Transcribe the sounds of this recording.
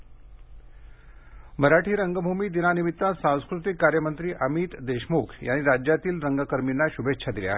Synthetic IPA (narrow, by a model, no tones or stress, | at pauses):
məɾaʈʰiːɾəŋɡəbʱumiːd̪inanimit̪ːasãw̃skɾut̪ikːaɾjəmənt̪ɾiːʔəmiːt̪d̪eɕmokʰjañiːɾad͡ʑjat̪iːlɾəŋɡəkəɾminːaɕubʱetːɕʰad̪ilja̰ɦe